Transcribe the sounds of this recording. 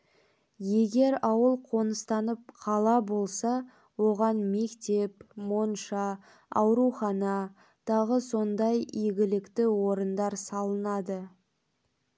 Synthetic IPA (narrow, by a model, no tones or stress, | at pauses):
je̞ɡʲe̞ɾɑwəlˠqʰo̞nəst̪ɑnəp̚qʰɑlˠɑbo̞lˠsɑ | wo̞ʁɑnme̞kt̪e̞pmo̞nʃɑ | ɑwɾuχɑnɑ | t̪ʰɑʁəso̞nd̪ɑjijɡʲɪlɪkt̪ɪwo̞ɾənd̪ɑɾsɑlˠənɑd̪ə